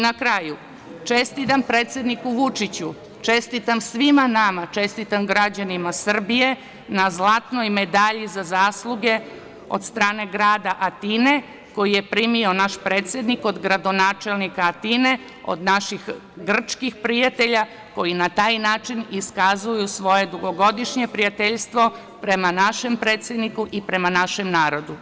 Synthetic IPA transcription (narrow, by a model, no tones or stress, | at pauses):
nakɾaju | t͡ʃe̞st̪it̪ampɾet̪sje̞d̪nikuʋut͡ʂit͡ɕu | t͡ʃe̞st̪it̪amsʋimanamat͡ʃe̞st̪it̪amɡɾad͡ʑanimasr̩bije̞ | nazlˠat̪no̞jme̞d̪aʎizazaːslˠuɡe̞ | o̞̰d̪st̪ɾaːne̞ɡɾaːd̪aʔat̪ine̞ | ko̞jijepɾimio̞naʃpɾe̞ːt̪sʲjed̪niko̞d̪ɡɾad̪o̞naːt͡ʃe̞lˠnikaːt̪ine̞ | o̰d̪naʃix | ɡr̩t͡ʃkixpɾijat̪e̞ʎa | ko̞jinat̪aːjnaːt͡ʃiniskazujusʋo̞jed̪uɡo̞ɡo̞d̪iʃɲe̞pɾijat̪eʎst̪ʋo̞ | pɾe̞manaʃe̞mpɾe̞ːt̪sʲjed̪nikuʔipɾe̞manaʃe̞mnaːɾo̞d̪u